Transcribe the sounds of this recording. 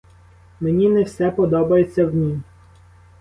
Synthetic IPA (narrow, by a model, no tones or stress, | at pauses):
menʲinɛwsɛpɔd̪ɔbɐjet͡sʲːɐwnʲi